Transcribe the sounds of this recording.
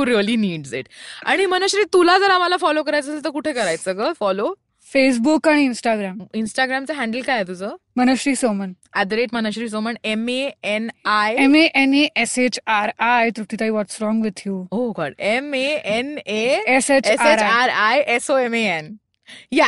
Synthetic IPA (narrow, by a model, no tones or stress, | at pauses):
uɾiəliniːɖziʈa̰ɽ̃imənəɕɾiːt̪ulad͡zəɾamalafɔlokəɾajt͡sət̪əɾkuʈʰekəɾajt͡səkəfɔlo | fes̬bukaɽ̃iːnsʈaɡɾaminsʈaɡɾamt͡səɦæ̃ɳɖəlkajet̪ud͡zə | mənəɕɾiːsomən | æd̪ɾeʈmənəɕɾiːs̬oməɳemeenajemeʔeneʔeset͡ɕaɾajt̪ɾut̪it̪aiʋɔʈsɾɔ̃ŋɡʋɪd̪juoɡɔ̰ɖemeeneeseesaeɾaɾajesoemeen | ja